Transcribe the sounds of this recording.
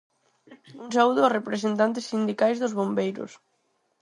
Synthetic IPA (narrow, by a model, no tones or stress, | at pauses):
uŋsauðʊɔsrepɾesent̪ant̪ɪsːind̪ikajzðʊzβombejɾʊ̰s